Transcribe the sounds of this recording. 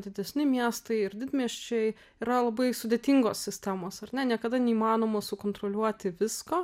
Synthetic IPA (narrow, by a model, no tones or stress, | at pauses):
d̪ʲɪd̪ʲɛsʲnʲɪmʲiɛst̪ɐɪɪɾd̪ʲɪd̪ʲmʲiɛʃʲt͡ʃʲɛɪ | iːɾɐlˠɐbɐɪsʊd̪ʲeːt̪ʲɪŋɡoːssʲɪsʲt̪ʲæmoːsɐrnʲɛnʲiɛkɐd̪ɐnʲɛiːmɑːnoːmɐsʊkoːnt̪ɾoːlʲuɔt̪ʲɪʋʲɪskoː